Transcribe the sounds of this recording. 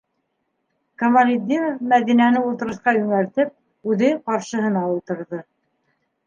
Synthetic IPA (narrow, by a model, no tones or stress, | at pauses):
komɐlʲid̪ʲiɾofmæðinænɘulˠt̪ɤ̆ɾɤ̆θqɑjʉŋæɾt̪ɘp̚ | ʉðɘqɑɾʃɤ̆ɦɤ̆nɑulˠt̪ɤ̆ɾðɤ